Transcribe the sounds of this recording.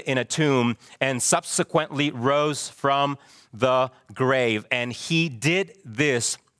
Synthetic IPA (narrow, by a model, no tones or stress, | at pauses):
ɾɨ̃ɾ̃ɨtʰʉ̃mɨ̃nsʌb̥sɨkʰwə̃nʔliɹoʊz̥fɹʌ̃m | ðə | ɡɹeɪvɨ̃nidɪd̪̚ðɪs